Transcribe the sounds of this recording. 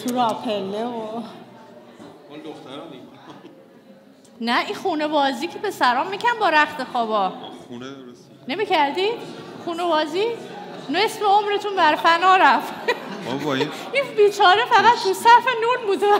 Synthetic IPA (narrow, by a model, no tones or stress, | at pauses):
t̪ʰuɾɒːpʰelːeo | næʔixuːne̞bɒːziːcʰepʰe̞sæɾɒːmmiːcʰænbɒːɾæxt̪e̞xɒːbɒːun | ne̞miːcʰæɾd̪id̪̥χuːnebɒːziː | ne̞smeo̞mɾe̞t̪ʰunbæɾfænɒːɾæft̪ | inbiːt͡ʃʰɒːɾefæɣæd̪tusæfenunbuːd̪e